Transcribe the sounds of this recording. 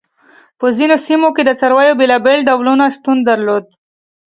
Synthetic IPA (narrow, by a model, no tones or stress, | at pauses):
pəzinosimoked̪ət͡saɾwajobelabelɖawlunaʂt̪und̪aɾlod̪̚